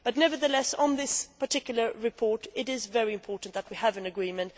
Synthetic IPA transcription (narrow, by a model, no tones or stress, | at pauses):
b̥ʌtⁿnɛvə˞ðəlɛsn̩ðɪspə˞tʰɪkjl̩ˠə˞ɹɨpʰɔɹɾɪɾɪzvɛɹiɨ̃mpʰɔɹʔn̩ðət̚wiəvɨ̃nɨɡɹĩmɨ̃nt